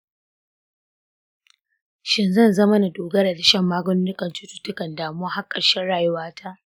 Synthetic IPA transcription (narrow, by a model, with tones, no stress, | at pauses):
ʃɪ˦nzɐ˦˨nzɐ˦mɐ˦na˨doː˨ɡɐ˦ɾa˨da˨ʃɐ˦mːaː˦ɡɔ˦noː˦nɪ˦kɐ˨nt͡ʃu˦tu̥˨tʊ˦kɐ˨ndaː˨mʊ˦a˦ha˦kʼːɐ˨ʃɛ˦ɽaː˨jʊ˦waː˦tʰa˦ʔ